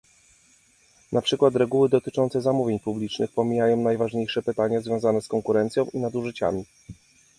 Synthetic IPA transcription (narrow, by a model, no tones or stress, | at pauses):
nʔapʂɘkwat̪ɾɛɡuwɘd̪ɔt̪ɘt͡ʂɔnt̪sɛzamuvʲjeɲpublʲit͡ʂnɘxpɔmʲijajɔ̃w̃najvaʐɲejʂɛpɘt̪aɲazvʲjɔ̃w̃zanɛskɔŋkuɾɛnt̪sʲjɔ̃w̃ʔinad̪uʐɘt͡ɕa̰mʲi